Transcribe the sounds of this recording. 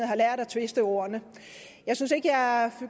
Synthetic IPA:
ð̩ˠhɑ̈læɐ̰ɾ̥æt͡sʰʋe̝sd̥əo̝ɐnə | jɑ̈ɪsynse̝ɡ̥əjɑ̈fy

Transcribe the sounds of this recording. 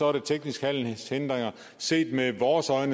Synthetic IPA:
ɒɐɾ̥e̝t͡sʰeɡ̥nisɡ̥hæl̰nshend̥ʁeŋɐ | se̝̰ːd̥meʋɒːsɒ̽ɪnə

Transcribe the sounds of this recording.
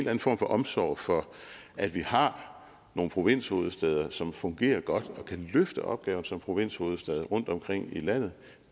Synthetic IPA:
læn̩fɒ̰ːmfɒ̽ʔɒ̽msɒ̰ːfɒ̽ | ʔæd̥ʋihɑ̈ | no̝ːn̩pʰʁo̝ʋe̝n̰sho̝ːðˠəsd̥ɛð̞ˠɐsɒ̽mfɔ̽ŋɡ̥e̝̰ːɐɡ̥ɒ̽d̥ɒ̽kʰæløfd̥əʔɒ̽b̥̚ɡ̥ɛːʊn̩sɒ̽mpʰʁo̝ʋe̝n̰sho̝ːð̞̩ˠsd̥ɛːð̞ˠʁɔ̽n̰d̥ɒ̽mkʰʁeŋ̰ilæn̰ð̞̩ˠ

